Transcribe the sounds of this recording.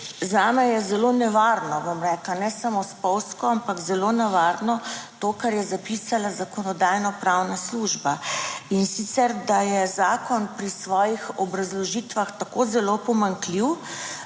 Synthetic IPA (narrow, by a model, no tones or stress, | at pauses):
zaːmɛjɛzɛlonɛʋaɾnɔbomɾɛklanɛsamospɔwskɔampakzɛlonɛʋaɾnɔt̪okaɾjɛzapisalazakɔnɔd̪aːjnɔpɾawnasluʒbainsit̪sɛɾd̪ajɛzaːkɔnpɾisʋɔːjixɔbɾazlɔʒit̪ʋaxt̪akozɛlopɔmaŋkliw